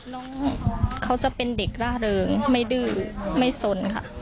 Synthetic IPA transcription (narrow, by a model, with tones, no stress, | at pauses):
nɔː˦˥ŋkʰa˦˥wt͡ɕa˨˩ʔpe˧nde˨˩k̚ɾaː˥˩ɾɤː˧ŋma˥˩jdɯː˥˩ma˥˩jso˧˩nkʰa̰˥˩